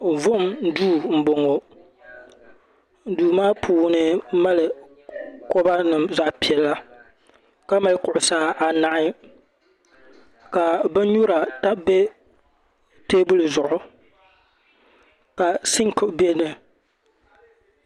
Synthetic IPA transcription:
vʊ˦m˦duː˦˨m̩˦bo˨ŋo˨ | duː˨maː˦pʰuː˨˦nɨ˦ma˦lɨ˨ | ko˦ba˦nɨ˨mza˦ʔpi˨ɛ˨lːa˦ | ka˦ma˦lkʊ˨ʔʊ˨saː˦ʔa˨na˦ʔɪ˦ | ka˨bɛ˦ɲu˦ɾa˨ta˦be˦ | teː˦bʊ˦lɨ˨zʊ˨ʔʊ˦ | ka˨sɪ˦ŋkbe˦nɨ˨

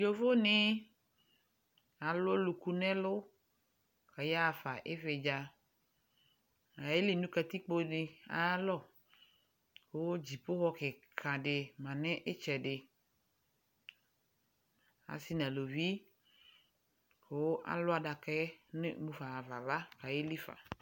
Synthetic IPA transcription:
jo˦fo˦nɪ˦ | a˨lo˦lʊ˨ku˦nɛ̃˦lʊ˦ | ka˨ja˦˨fa˨ʔɪ˦vɪ˨d͡ʒa˨ | a˨e˦li˨nũ˦ka˨t̪i˦k͡po˦ɖɪ˨a̰˨˦lɔ˦˨ | kwo˦d͡ʑi˨pʊ˦ɣɔ˦kɪ˨kʰã˨ɖɪ˨mã˨nɛ̃˦ʔɪ˦t͡ʃɛ˨ɖɪ˨ | a̰˨si˦nã˨lo˨vi˦ | ko˨wo˦ʔa̰˨lʊ˦a˨da˨kɛ˦nɪ̰˦mũ˦fa˨va˨va˦ka˨je˦li˦fa̰˨

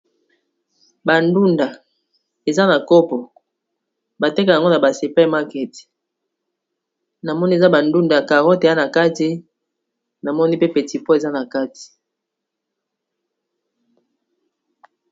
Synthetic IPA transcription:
ba˨ndu˦nda˨ | e˨za˦na˨kɔ˦pɔ˨ | ba˨tɛ˦ka˨ja˨ŋɡo˦na˨ba˨se˨pɛ˦˨ma˦kɛ˨ti̥˨ | na˨mɔ˦ni˦e˨za˦ba˨ndu˦nda˨ka˨ʁɔ˦te˨a˦na˨ka˦ti˦ | na˨mɔ˦ni˦pe˦pe˨ti˨po˦e˨za˦na˨ka˦ti̥˨

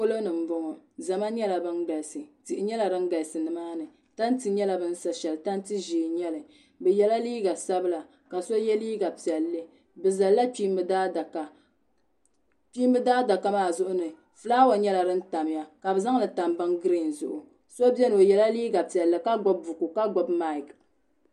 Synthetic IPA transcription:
ko˦lo˦nɨ˨m̩˦bɔ˦ŋɔ˨za˨ma˦ɲɛ˦la˨bɨ˦ŋ˦ɡa˨lsɨ˨ti˨ʔɪ˨ɲɛ˦la˨ɾɨ˦ŋ˦ɡa˨lsɨ˨nɨ˨˦maː˦nɨ˨ | ta˦n˦ti˨ɲɛ˦la˨bɨ˦n̩˦sa˨ʃɛ˨lɨ˨ta˦n˦ti˦ʒiː˨ɲɛ˦lɨ˨ | bɛ˨jɛ˨la˦liː˦ɡa˨sa˦bɨ˦la˨ | ka˨so˦jɛ˦liː˦ɡa˨pi˨ɛ˨lːɨ˦ | bɨ˨za˨lla˦k͡pi˦mɨ˦daː˦da˨ka˨ | pi˦mbɨ˦daː˦da˨ka˦maː˦˨zʊ˦ʔʊ˦nɨ˨ | fɨ˦laː˦wa˨ɲɛ˦la˨dɨ˦n̩˦ta˨mja˨ka˨bɛ˨za˦ŋlɨ˨ta˨mbɨ˦ŋɡɨ˦ɾɨ˨n̩˨zʊ̰˨ʔʊ˨ | so˦bɛ˦no˨jɛ˨la˦liː˦ɡa˨pi˨ɛ˨lːɨ˨ka˦ɡɔ˦b̚ːʊ˨ku˨ka˦ɡɔ˨bma˦i˨k

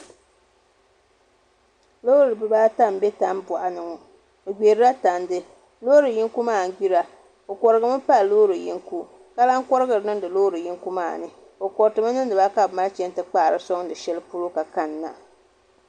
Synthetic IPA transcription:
lo˦ɾɨ˨bɨ˨baː˦ta˦m˨be˦ta˦m˦bʊ˨ʔa˨nɨ˨ŋɔ˨ | o˨ɡ͡be˨ɾɨ˦ɾa˦ta˨ndɨ˦ | lo˦ɾɨ˨ji˦ŋku˦maː˦˨˦ɡ͡bi˦ɾa˨ | o˨kɔ˨ɾɨ˨ɡɨ˦mɨ˦pa˦loː˦ɾɨ˨ji˦ŋku˦ | ka˦la˦ŋkɔ˦ɾɨ˦ɡɨ˨ɾɨ˨nɨ˦dɨ˨loː˦ɾɨ˨ji˦ŋku˦maː˦˨nɨ˨ | o˨kɔ˨ɾtɨ˨ma˦nɨ˦ndɨ˨ba˦ka˨bma˦lt͡ʃɛ˦n˦tɨ˨k͡paː˦˨ɾɨ˦sɔ˦ŋdɨ˨ʃɛ˦lɨ˦pu˦ɾo˦ka˨ka˦˨nːa̰˨

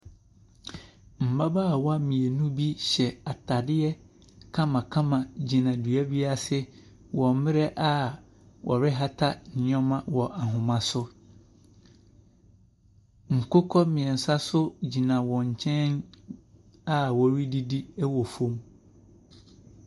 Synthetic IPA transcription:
m̩˨ba˦ba˦˨wa˦mĩ˨e˨nũ˦bi˦ɕɛ˨a˨tʰa˨dɪ˦ɛ˦ | kʰã˦mã˨kʰã˦mã˨d͡ʑi˨nã˨dɥæ˦bi˦a˦sɪ˦ | wɔ˨˦mɪ̃˦ɾɛ˦ʔa˦ | wʔɔ̰˨ɾɪ˦ɦa˦tʰa˦nɪ˨˦ɔ̃˦mã˦wɔ˨ʔa˨ɦʊ̃˨mã˨sʊ˦ | ŋ̩˨kʊ˦kʰɔ˦mɪ̃˨ɛ˨n̩˨sa˦sʊ˦d͡ʑi˨nã˨wɔ̃˨ɲ̩˨t͡ɕʰɛ̃˦n | a˦wɔ˨ɾi˦di˦di˦ɛ˦wɔ˨fõ˦m

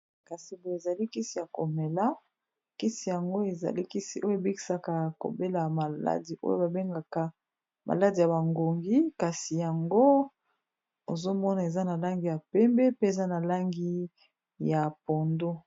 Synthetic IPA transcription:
ka˨si˨bo˨e˨za˨li˦ki˦si˨ja˨ko˨me˨la˦ | ki˦si˨ja˨ŋɡo˦e˨za̰˨li˦ki˦si˨ʔo˦jo˦e˨bi˦ki̥˨sa˦ka˨ko̰˨be˦la˨ma˨la̰˦di˨ʔo̰˦jo̰˦ba˨be˦ŋɡa˨ka˨ | mʔa̰˨la˦di˨ja˨ba˨ŋɡo˨ŋɡi˦ka˨si˨ja˨ŋɡo˦ | o˨zo˦mɔ˦na˨e˨za˦na˨la˦ŋɡi˨ja˨pɛ˦mbɛ˦pe˦e˨za˦na˨la˦ŋɡi˦ | ja˨po˨ndo˦

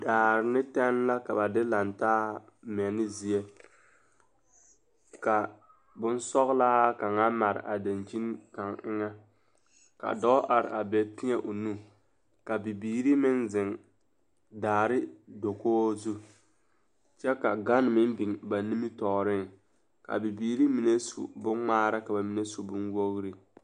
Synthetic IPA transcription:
daː˨ɾɪ˨nɪ˦tɛ˦n˦la˦ka˨ba˨dɪ˦la˨ntaː˦ | mɛ˨nɪ˦zi˨e˦ | ka˨ | bʊ˦n˦sɔ˦ɣla˦a˦ka˨ŋa˦ma˨ɾɪ̰˨ʔa˨da˨nt͡ʃi˦nka˨ŋɪ˦ŋa˦ | ka̰˨dɔ˦ʔa˨ɾɪ̰˨a˨bɛ˨pi˦ɲɛ˦ʔo˨nu˦˨ | ka˨bi˨biː˨ɾi˦mɪ˦nzɪ˨ŋ | daː˨ɾɪ˦do˨koː˦zu˦ | t͡ʃɛ˦ka˨ɡa˦n˨mɪ˦nbi˨ŋba˨ni˦mi˦tɔː˨ɾɪ˦ŋ | ka̰˨bi˨biː˨ɾi˦mi˨ne˦sṵ˨bʊ˦ŋŋ͡maː˦ɾa˦ka˨ba˨mi˨ne˦su˨bʊ˦nwo˦ɣɾi˨

